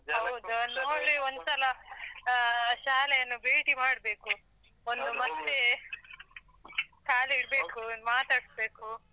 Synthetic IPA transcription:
ɦɐwd̪uɐnd̪oɭiond̪sɐlɐ | ʃaːlɛjɐnːubeːʈimaːɽbe̞ːku | ond̪umɐd̪e | kaːliiɽbe̞ːkumaːt̪aːɽsbeːku

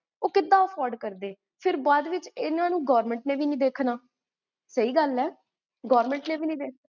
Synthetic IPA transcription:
oːkɪt̪ːãːəpʰɔːɾɖkəɾd̪eː | pʰɪɾbaːd̪ʋɪt͡ʃɪnãːnũːɡɔːɾmɛ̃ɳʈnẽːʋiːnĩːd̪eːkʰnaː | səiːɡəlɛː | ɡɔːɾmɛ̃ɳʈnẽːʋiːnĩːd̪eːk̚ʰa

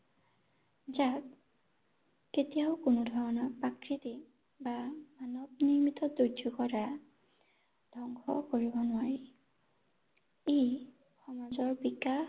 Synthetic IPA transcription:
zat | ketijaʊkʊnʊdʱɔɹɔnɔpakɹiti | bamanɔbniɹmitɔdojukɔɹa | d̥ʱɔŋɡɔ̰koɹibɔnʊwaɹi | ej | xɔmazɔɹbika

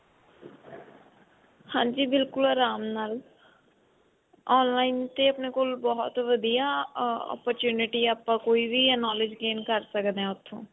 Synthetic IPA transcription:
hãːd͡ʒiːbɪlkʊləɾaːmnaːl | ɔːnlaːɪnt̪eɐpnekoːlbɔɦʊt̪ʋəd̪ijaɔ̰ːpəɾt͡ʃjuːnɪʈiaːpkãkoːibʱinɔːlɪd͡ʒɡeːmkəɾsəkd̪ɛ̃ʊt̪ʰːõː

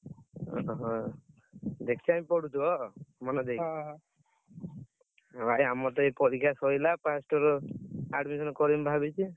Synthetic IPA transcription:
ɦɔ̃ | d̪ekʰi̥t͡ʃʰiamipɔɽut̪uɔmɔnɛd̪ek | baʔjamɔt̪ɔepɔɾikʰasɔjlapasʈɔɾɔaɖmisɔnɔkɔɾimbʱabit͡ʃʰi

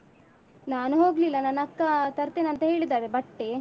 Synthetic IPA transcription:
naːnuɦoːɡlilːɐnaːnɐkːɐt̪ɐɾt̪eːnɐnt̪ɐɦe̞ːɭid̪aːɾebɐʈːe

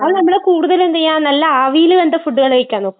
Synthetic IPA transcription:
ɐðɨnɐmːɐɽekuːɽuðɐlend̪ɐɲaːnnɐlːɐaːʋijilɨʋend̪ɐfuɖːuɣɐɭeʋekʲːaːnːoːkːɨ

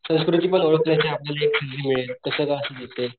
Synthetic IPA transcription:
sə̃w̃skɾut̪ipəɳəɭəkʰljat͡ɕeapljalaeksənd͡ʑiːmiɭet̪k̪əsəːkaəsed̪it̪e

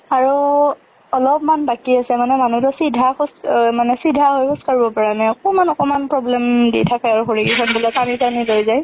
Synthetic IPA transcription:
aɹu | ɔlɔpmanbakiasɛmanɛmanudɔsidʱaxɔsmanɛsidʱːaɦojkʊskaɹibɔpaɹanajɔkɔmanɔkɔmanpɹɔblɛmdḭjtʰakɛaɹuxoɹikikʰɔnbulakamizanilojzaj

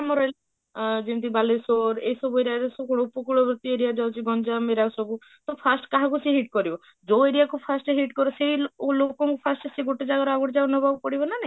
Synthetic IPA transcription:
amɔɾel | d͡ʒint̪ibalesoɾejsɔbueɾiad͡ʒesɔkuɽ̃oupɔkuɭobʱɾut̪ieɾijad͡ʒawt͡ʃʰiɡɔnd͡ʒameɾasɔbu | t̪ɔpʰasʈkaɦakuseɦiʈ̚kɔɾibɔ | d͡ʒoeɾijakupʰasʈɦiʈkɔɾoseilokɔŋkupʰasʈseɡoʈed͡ʒaɡaɾɔaɡɔɽd͡ʒanɔbʱɔbɔkɔɽibɔnane

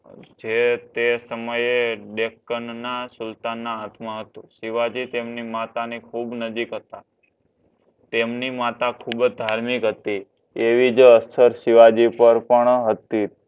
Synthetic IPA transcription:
d͡ʒet̪esəməjeɖekːənnasʊlt̪anːãːt̪məɦət̪ũsiʋad͡ʒit̪emnimat̪anikʰubnəd͡ʒikɦət̪a | t̪emnimat̪akʰubd̪ʱaɾmikɦət̪i | eʋid͡ʒəst̪ʰəɾsiʋad͡ʒipəɾpəɳɦət̪ːit̪̚

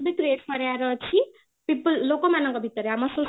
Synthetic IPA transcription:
d̪it̪ɾeɾkʌɾjaɾʌt͡ɕʰi | pipəlːokɔmanʌŋkɔbʱit̪ːəɾeamɔso

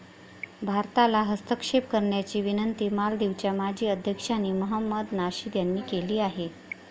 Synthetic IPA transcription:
bʱaɾt̪alaɦəst̪əkʂep̚kəɾɳjat͡ɕiːʋinənt̪iːmald̪eʋt͡ɕjamad͡ʑʱiːəd̪ʱjəkʂanːiːməɦəmːəd̪naɕiːd̪janːiːkeliːaɦe

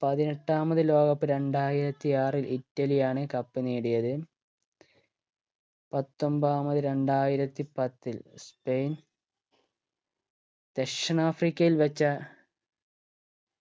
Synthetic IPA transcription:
pɐðineʈːaːmɐðɨlo̞ːɣɐpːɨɾe̞ɳɖaːjiɾɐt̪ːiaːrilʔitːɐlijaːɳɨkɐpːɨniːɽijɐðɨ | pɐt̪ːo̞mbaːmɐðɨɾe̞ɳɖaːjiɾɐt̪ːipɐt̪ːilspe̞jn | d̪̥eʂɐnaːfrikʲːɐjilʋɐt͡ɕːɐ

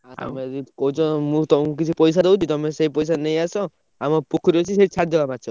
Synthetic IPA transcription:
a̰meikɔut͡ʃɔmũt̪ɔ̃k̬it͡ʃʰipɔjs̬aɾout͡ʃʰit̪ɔmeseɦipɔjs̬anejasɔ | amɔpukʰɔɾiɔt͡ʃʰiseit͡ʃʰaɾd̪ɔbamat͡ʃʰɔ

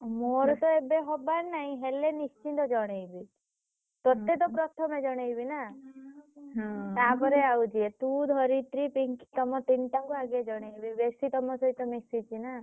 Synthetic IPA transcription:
moɾt̪ɔebeɦɔbaɾnaɦĩɦelenist͡ʃint̪ɔd͡ʒɔɽ̃ejbi | t̪ot̪et̪ɔpɾɔt̪ʰɔmed͡ʒɔɽ̃ejbina | ɦɔ̃t̪apɔɾeawd͡ʒiet̪ud̪ʱɔɾit̪ɾipiŋki̥t̪ɔmɔt̪inʈaŋkuaɡed͡ʒɔɽ̃ejbibesit̪ɔmɔ̃sɔɦit̪ɔmisit͡ʃʰina

